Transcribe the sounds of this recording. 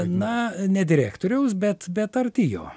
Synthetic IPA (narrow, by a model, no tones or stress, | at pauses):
nɐnʲɛd̪ʲɪɾʲæːkt̪oːɾʲɛʊsbʲɛt̪bʲɛt̪ɐrʲt̪ʲijo̰ː